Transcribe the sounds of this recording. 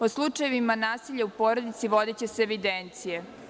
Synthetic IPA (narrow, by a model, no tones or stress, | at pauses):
oslˠut͡ʂajeʋimanaːsiʎaupoːɾod̪it̪siʋo̞d̪et͡ɕeseːʋid̪ent̪sije